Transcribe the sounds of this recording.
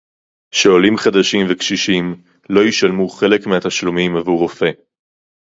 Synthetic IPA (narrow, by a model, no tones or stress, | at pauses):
ʃeo̞limχad̪aʃimvekʃiʃim | lo̞jiʃalmuχe̞lekmeat̪aʃlumimavuʁofe̞